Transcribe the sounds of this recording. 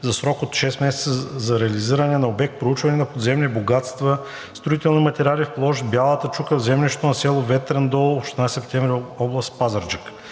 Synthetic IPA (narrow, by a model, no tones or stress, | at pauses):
zɐsɾɔkot̪ʃɛsmɛsɛt̪səzɐɾɛɐliziɾɐnɛnɐobɛk̚t̪̚pɾout͡ʃvɐnɛt̪əpod̪zɛmniboɡat̪st̪və | st̪ɾoit̪ɛlˠnimɐt̪ɛɾʲalifplˠɔʃbjalˠət̪ət͡ʃukəvzɛmniʃt̪onɐsɛlˠovɛt̪ɾɛnd̪ɔlˠoʃɛ̥snajsɛpt̪ʲɛɱvɾiɔblˠɐst̪pazəɾd͡ʒik